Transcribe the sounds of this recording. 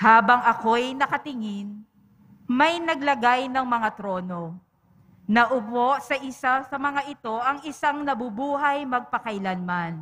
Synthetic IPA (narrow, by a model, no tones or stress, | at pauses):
haːbɐŋʔɐko̞jnɐkɐt̪ɪŋɪn | mɐjnɐɡlɐɡajnɐŋmɐŋat̪ɾo̞ːno̞ | nɐʔʊpo̞sɐʔɪsasɐmɐŋaʔɪt̪o̞ʔɐŋɪsaŋnɐbubuːɦɐjmɐɡ̚pɐkɐʔɪlanman